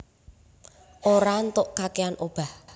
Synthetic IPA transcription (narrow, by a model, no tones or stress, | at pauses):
ʔoɾant̪ʊʔkakeanʔob̥a̤h